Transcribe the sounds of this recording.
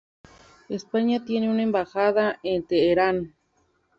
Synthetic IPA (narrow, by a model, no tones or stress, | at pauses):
espaɲat̪je̞neunaembaxaðaent̪eːɾan